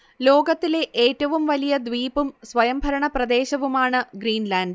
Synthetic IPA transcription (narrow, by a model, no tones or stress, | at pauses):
lo̞ːɡɐt̪ːile̞ʔeːtːɐʋumʋɐlijɐd̪ʋiːpumsʋɐjɐmbʱɐɾɐɳɐprɐd̪e̞ːɕɐʋumaːɳɨɡɾiːnlaːnɖ